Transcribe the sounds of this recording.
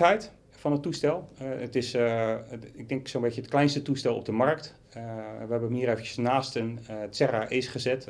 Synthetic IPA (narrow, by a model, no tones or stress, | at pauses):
ɛjt | fɔnətːustɛlˠətɪs | ɪɡ̚dɛŋksonbetjəətklɛjnstətustɛlˠɔ̰b̚dəmarkt | ʋəɦɛbəəmhiːəɾeːvənəsnaːstəntsɛraʔeːsχəzɛt